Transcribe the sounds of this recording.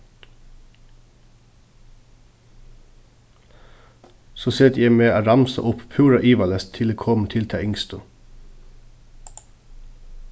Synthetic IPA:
soːseːt̪jæɪmeːʔoːɾɑmsɑ̰ʔʊppʰʉːɾɑʔiːʋɑlɛst̪ʰɪleːkʰɔmt̪ʰɪlt̪ʰɑ̰ːɪŋst̪ʊ

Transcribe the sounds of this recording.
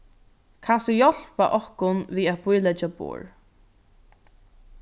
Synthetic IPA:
kʰasɔjɔl̥paʔɔhkʊnviːat̪̚bʊjlɛt͡ʃabṵːɹ

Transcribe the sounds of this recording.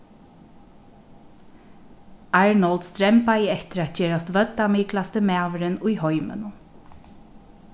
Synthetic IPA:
ɑɹnɔld̪st̪ɾɛmpajɛt̪ɪɾæːt̪̚t͡ʃeːɹast̪ʋœt̪ːamiːklast̪əmæːʋəɾɪnʊjhɔʏmə̰nʊn

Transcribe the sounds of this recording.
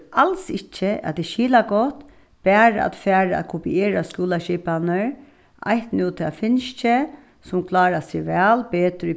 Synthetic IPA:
ʔalsɪt͡ʃːəʔa̰t̪ɪʃiːlaɡɔt̪ | b̥æːɾaa̰t̪fæːɾaæ̰t̪kʰʊpieːɾaskjuːlaʃiːpanəɹ | ʔa̰jht̪nuːt̪ʰɪlafɪnʃt͡ʃə | sʊmkʰlɑːɾasɪʋɛːlpeːt̪ɾi

